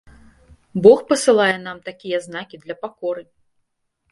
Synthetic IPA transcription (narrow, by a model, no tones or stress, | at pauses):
bɔxpɐsɨlˠajɛnamt̪akʲijɐznakʲid̪lʲɐpakɔɾɨ